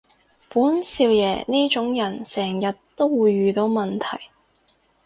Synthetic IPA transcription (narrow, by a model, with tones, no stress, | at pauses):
puː˨˥nsiː˧wjɛː˨˩niː˥t͡ʃʊ˨˥ŋjɐ˨˩nsɛː˨˩ŋjɐ˨tt̪ːo˥wwuː˨˧jːyː˨t̪o˨˥wmɐ˨nt̪ʰɐ˨˩j